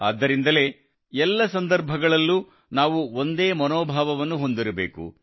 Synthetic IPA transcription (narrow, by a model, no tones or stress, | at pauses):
a̰ːd̪ːɐɾind̪ɐle̞ː | ɛlːɐsɐnd̪ɐɾbʱɐɡɐɭɐlːuː | naːʋuond̪e̞ːmɐnoːbʱaːʋɐʋɐnːuɦo̞nd̪iɾɐbeːkṵ